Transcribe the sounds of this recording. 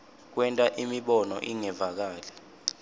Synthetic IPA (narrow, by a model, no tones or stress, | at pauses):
k̬wɛntʼaʔimiɓɔnɔ̰ʔiŋɛvak̬aːlɛ